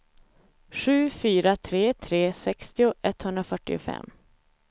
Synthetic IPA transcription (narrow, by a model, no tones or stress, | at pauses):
ɧʉ̟ːfyːɾat̪ʰɾeːt̪ʰɾeːsɛkst̪ɪʊʔɛt̪hɵnd̪ɾafœʈːɪʊ̰fɛ̰mː